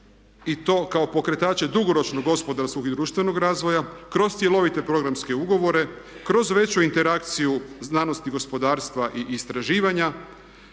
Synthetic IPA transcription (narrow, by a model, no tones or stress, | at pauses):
it̪o̞ːkao̞po̞kɾe̞t̪aːt͡ɕe̞d̪uɡo̞ɾo̞t͡ʃno̞ɡːo̞spo̞d̪aɾsko̞ɡid̪ɾuːʃt̪ʋe̞no̞ɡɾaːzʋo̞jakɾo̞st̪sje̞lˠo̞ʋit̪e̞pɾo̞ɡɾamske̞uɡo̞ʋo̞ɾe̞ | kɾo̞zʋe̞t͡ɕuint̪e̞ɾak̚t̪sijuznaːno̞st̪iɡo̞spo̞d̪aːɾst̪ʋaʔiʔːst̪ɾaʒiːʋaɲa